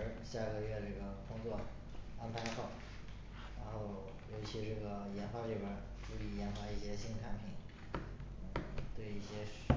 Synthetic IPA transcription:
ɕja˥˩ɡə˩ɥɛ˥˧ʈ͡ʂɤ˥˩ɡə˩kʊ˥ŋt͡swɔ˥˩ | a˥npʰa˧˥ɪxɑ˥˩ʊ | ɻa˧˥nxo˥˩ʊ | jo˧˥ʊt͡ɕʰi˧˥ʈ͡ʂɤ˥˩ɡə˩jɛ˧˥nfa˧˥li˥˩bə˧˥ | ʈ͡ʂu˥˩i˧˥jɛ˧˥nfa˧˥i˥˩ɕjɛ˥ɕi˥nkʰa˥npʰi˥˩˦ | n̩˥˩t̪we˥˩˧ɪi˥˩ɕjɛ˥

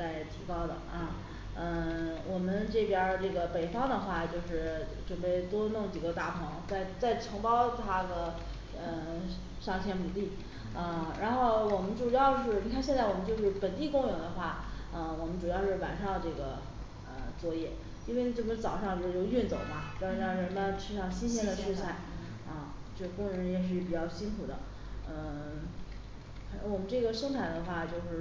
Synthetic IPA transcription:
t͡sa˥˩ɪt̪ʰi˧˥kɑ˥ʊd̪ə̰˩ɐ˥˧ | ə˥˧wʔɔ˨˩mə˦nʈ͡ʂɤ˥˩pjɐ˥ʈ͡ʂɤ˥˩ɡə˩pe˨˩ɪfɑ˥ŋd̪ə˨xwa˥˩t͡ɕjo˥˧ʊʂɻ̩˥˩ʈ͡ʂə˨˩npe˥˩ɪt̪wɔ˥nɤ˥˩ŋt͡ɕi˨˩ɡə˧˦t̪a˥˩pʰɤ˧˥ŋt͡sa˥˩ɪt͡sa˥˩ɪʈ͡ʂʰɤ˧˥ŋpɑ˥ʊt̪ʰa˥d̪ə˨ | ə˧ | ʂɑ˥˩ŋt͡ɕʰjɛ˧˥nmu˨˩li˥˩ | ə˥˧ɻa˧˥nxo˥˩ʊwɔ˨˩mə˦nʈ͡ʂu˨˩jɑ˥˧ʊʂɻ̩˥˩ni˨˧˥kʰa˥˧nɕjɛ˥˧nt͡sa˥˩ɪwɔ˨˩mə˦t͡ɕo˥˧ʊʂɻ̩˥˩pə˨˩nt̪i˥˩kʊ˥ŋjʊ˨˩ŋd̪ə˧xwa˥˩ | ə˧wɔ˨˩mə˦nʈ͡ʂu˨˩jɑ˥˧ʊʂɻ̩˥˩wa˨˩nʂɑ˥˧ə˧ʈ͡ʂɤ˥˩ɡə˩ | ə˧˩t͡swɔ˥˩jɛ˨˩ | i˥nwe˥˧ɪ˥ʈ͡ʂɤ˥˩bə˧ʂɻ̩˥˩t͡sɑ˨˩ʊʂɑ˥˧ŋt͡ɕʂɻ̩˥˩jo˥˧ʊy˥˩nt͡so˨˩˦ʊmɐ˦t͡ɕj̩˥˧˥ɑ˥˩ɻə˧˥nma˥ʈ͡ʂʰɻ̩˥˧ʂɑ˥˩ŋɕi˥nɕʰjɛ˥nd̪ə˨ʈ͡ʂʰɻ̩˥˧ɕʰa˥˩ɪ | ɐ˥˧ | t͡ɕjo˥˧kʊ˥ŋɻə˧˥njɛ˨˩ʂ̬ɻ̩˥˩˥pi˨˩t͡ɕjɑ˥˩ʊɕi˥nkʰu˨˩d̪ə˦ | ə˧˨˩ | wɔ˨˩mə˦nʈ͡ʂɤ˥˩ɡə˩ʂɤ˥ŋt̪ʰa˥˩ɪd̪ə˦xwa˥˩t͡ɕjo˥˧ʊʂɻ̩˥˩

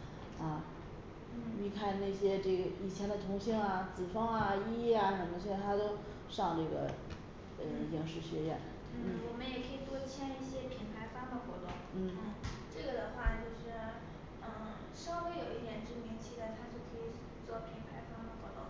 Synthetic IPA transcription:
ɐ˥˧˩ | ni˧˥˩kʰa˥˧nna˥˩ɪɕjɛ˥ʈ͡ʂɤ˥˩ɡə˩i˨˩t͡ɕʰjɛ˧˥nd̪ə˧t̪ʰʊ˧˥ŋɕi˥ŋa˨t͡sɹ̩˨˩fɑ˥ŋɐ˧i˥ɛ˥˩a˧ʂə˨˩mə˧˩sʰt̪ʰa˥t̪o˥ʊ | ʂɑ˥˧ŋʈ͡ʂɤ˥˩ɡə̰˩ | ə˧jɑ˧˥ŋʂɻ̩˥˩ɕɥɛ˧˥jɛ̰˥˩n | n̩n̩˥˩wɔ˨˩mə˦njɛ˨˩kʰɤ˧˥i˨˩t͡s̪wɔ˥t͡ɕʰjɛ˥ni˥˩ɕjɛ˥pʰi˧˥npʰa˧˥ɪfɑ˥ŋd̪ə˨xwɔ̰˧˥t̪ʊ̰˥˩ŋn̩˥˩˧ʈ͡ʂɤ˥˩ɡə˩d̪ə˩xwa˥˧t͡ɕjo˥˧ʊʂɻ̩˥˩˥ | ʂɑ˥ʊwe˥ɪjo˨˩ʊi˥˩jɛ˨˧˩nʈ͡ʂ̩˥˩mi˧˥ŋt͡ɕʰi˧˥d̪a˥˧t̪ʰa˥t͡ɕjo˥˩ʊkʰɤ˧˥i˨˩ | t͡swɔ˥˩pʰi˧˥ŋpʰa˧˥ɪfɑ˥ŋd̪ə˨xwɔ˧˥t̪ʊ̰˥˩ŋ

